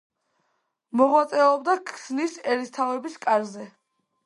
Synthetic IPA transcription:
mɔʁwat̪sʼɛɔbd̪akʰsnisɛɾist̪ʰavɛbiskʼaɾzɛ

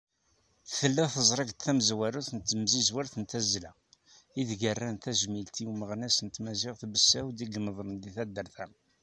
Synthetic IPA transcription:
θθəlːæθəzˤɾˤɑɡt̪θæməzwæɾuθənt̪ːəmzizwaɾθənt̪æzlæ | iðɡərːænt̪æʒmilt̪iuməʁnæsənt̪mæʒiʁθbəsːæwd̪iɡənəðˤɾənd̪iθæd̪ːəɾθæn

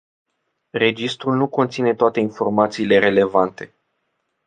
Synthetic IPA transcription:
re̞d͡ʒist̪ɾulnuko̞nt̪sine̞t̪oat̪e̞info̞rmat̪siːle̞ɾe̞le̞vant̪e̞

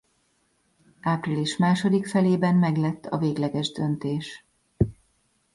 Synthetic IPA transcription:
aːpriliʃmaːʃo̞d̪ikfɛleːbɛnmɛɡlɛt̪ːɒ̰veːɡlɛɡɛʒd̪ø̞nt̪eːʃ

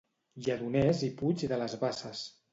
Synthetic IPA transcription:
ʎəðunɛziput͡ʃðələzβasəs

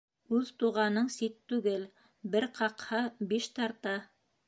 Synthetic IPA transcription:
ʉðt̪uʁɑnɤɴsit̪ːʉɡɘl | bɘɾqɑqhɑbiʃt̪ɑɾt̪ɑ

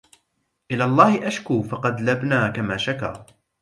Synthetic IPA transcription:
ʔɪlaːlˤːɑːhɪʔaʃkuːfɑqɑd̪labnaːkamaːʃaka̰ː

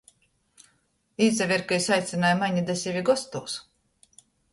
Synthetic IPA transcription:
iːzʲɛvʲiɾkɨisajt̪sʲinajmaɲid̪esʲivʲiɡɔst̪uːs

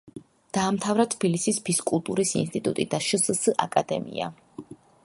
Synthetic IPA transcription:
d̪̥aːmt̪ʰavɾat̪ʰb̥ilisisbʰiskʼulˠt̪ʼuɾisḭnst̪ʼit̪ʼṵt̪ʼid̪aʃəssʔakʼad̪ɛ̰mḭa̰

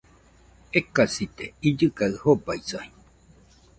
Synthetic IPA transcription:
ekasit̪eid͡ʒɨkaɨhobaisai

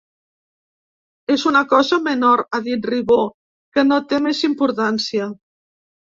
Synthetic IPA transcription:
ezunakɔzəmənoɾaðit̪riβo | kənot̪emezimpuɾt̪ansia

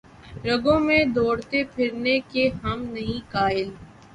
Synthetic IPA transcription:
ɾɐɡõmẽd̪oːɽt̪epʰɪɾnekeɦɐmnɐɦĩkaːɪl

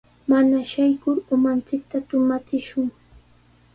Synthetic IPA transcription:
manaʃajkʊɾʊmant͡sɪk̚t̪at̪ʊmat͡sɪʃʊŋ

